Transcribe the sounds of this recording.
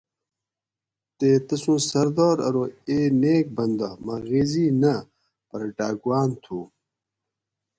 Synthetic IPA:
t̪eːt̪ɐsũːsɐɾd̪oːɾɐ̰ɾoːeːneːk̚bɐnd̪ɐmɐɣeːziːnɐ | pɐɾɖaːɡwaːnt̪ʰuː

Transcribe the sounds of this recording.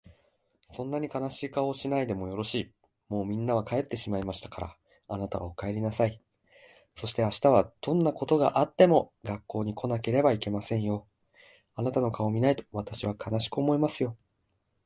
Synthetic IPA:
sõ̞nːaɲ̟ikanaɕiːkao̞ːɕinaid̪e̞mo̞jo̞ɾo̞ɕiː | mo̞ːmʲĩnːaβ̞akae̞t̪ːe̞ɕimaimaɕi̥t̪ḁkaɾa̰ | anat̪aβa̰okae̞ɾʲinasai | so̞ɕi̥t̪e̞aɕi̥t̪aβ̞ad̪̥õ̞nːako̞t̪o̞ɡa̰ʔat̪ːe̞mo̞ɡakːo̞ːɲ̟ikʰo̞nake̞ɾe̞baike̞masẽ̞ɰ̃jo̞ | anat̪ano̞kao̞mʲinait̪o̞̥βat̪aɕiβakʰanaɕi̥kɯ̟omo̞imasɨjo̞

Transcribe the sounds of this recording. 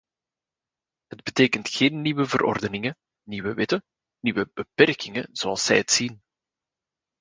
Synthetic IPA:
ɦəd̚bəteːkəntxeːnːiʋəvərʔɔ̰rdənɪŋə | niːwəʋɪtə | niːwəbəpɛrkɪŋəz̥oɑlˠsɛ̰jətsin

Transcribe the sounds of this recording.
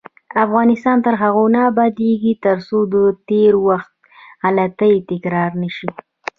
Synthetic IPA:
afɣɑnɪst̪ɑnt̪əɾɦaɣonabad̪eɡit̪əɾsod̪ət̪eɾwaxt̪̚ | halat̪əjt̪ɪkɾɑɾnəʃi

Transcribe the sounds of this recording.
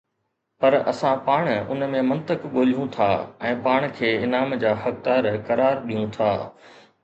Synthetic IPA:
pɐɾɐ̰sãpaːɽ̃ʊ̰nmẽmɐ̃nt̪əkɠoːlijũt̪ʰaːɛ̃ːpaːɽ̃kʰeːɪnaːmd͡ʑaːhɐk̚d̪aːɾkɐɾaːɾɗijũt̪ʰa̰ː

